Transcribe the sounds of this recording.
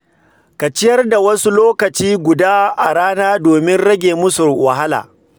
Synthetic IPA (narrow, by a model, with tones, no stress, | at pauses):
ka˨t͡ʃɪ˦jɐ˦rda˨wɐ˦su˦loː˦kɐ˨t͡ʃiː˦ɡʷʊ˨daː˦ʔa˨ɽaː˦naː˦doː˨mɪ˦nɽɐ˦ɡʲeː˨mʊ˦sʊ˨rwɐ˨ɦa˦la̰ː˨